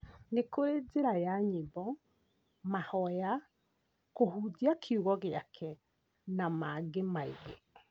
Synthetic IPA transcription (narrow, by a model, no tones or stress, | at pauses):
nekoɾed͡zeɾajaɲibɔ | mahɔja | kohud͡ziakʰiuɣɔɣeakʰɛ | namaɡemaiɣḛ